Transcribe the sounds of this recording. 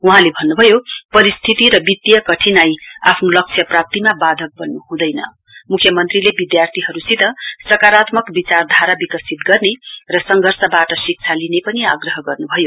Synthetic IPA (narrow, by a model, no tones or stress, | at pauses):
uɦãlebʱʌnːubʱʌjopʌɾist̪ʰit̪iɾʌbit̪ːjʌkʌʈʰinajapʰnolʌk̚t͡sʰjʌprap̚t̪imabad̪ʱʌk̚bʌnːuɦũd̪ʌjnʌ̰ | mukʰjʌmʌnt̪rilebid̪jart̪ʰiɦʌɾusid̪ʱʌsrʌkaɾat̪mʌkbit͡sard̪ʱaɾabikʌsit̪ɡʌrnerʌsʌŋɡʱʌrsʌbaʈʌsik̚t͡sʰalinepʌnia̰ɡrʌɦʌɡʌrnubʱʌjo